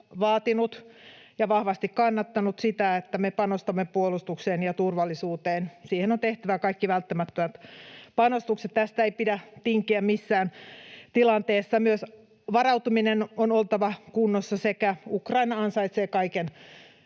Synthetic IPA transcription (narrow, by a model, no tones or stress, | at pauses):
ʋɑːt̪inut̪ | jɑʋɑhʋɑst̪ikkɑnːɑt̪ːɑnut̪sit̪æet̪ːæmepɑnost̪ɑmːepuolust̪ukseːnjɑt̪urʋɑlːisuːt̪eːnsiːhenont̪eht̪æʋækɑikːiʋælt̪ːæmæt̪ːømæt̪pɑnost̪ukset̪t̪æst̪æeipidæt̪iŋkiæmisːæːnt̪ilɑnt̪eːsːɑmyøs | ʋɑrɑut̪uminenonolt̪ɑʋɑkunːosːɑsekæukrɑinɑɑnsɑit̪seːkɑiken